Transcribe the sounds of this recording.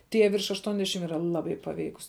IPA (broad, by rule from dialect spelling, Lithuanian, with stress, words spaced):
ˈtʲiɛ ʋʲɪrʃ ɐʃˈtuɔnʲˌdʲæːʃʲɪm iːˈrɐ ˈlˠɑːˌbɐɪ pɐˈʋʲɛɪkʊs